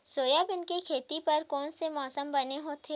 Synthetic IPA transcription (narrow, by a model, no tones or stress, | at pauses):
soːjabɪnkekʰeːt̪ipɐɾkɔːnsemɔːsəmbɐneɦot̪ʰe